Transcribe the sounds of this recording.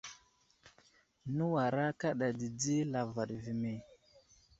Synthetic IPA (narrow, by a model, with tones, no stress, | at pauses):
nu˦wa˨ɾa˦ka˦ɗa˨di˨d͡zi˦la˨va˨ɗvi˨me˨